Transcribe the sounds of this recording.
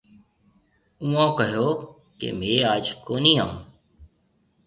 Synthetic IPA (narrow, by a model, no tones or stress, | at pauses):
ũːãːkəɦjoː | kḛːmẽːaːd͡ʒkoːniːãːũː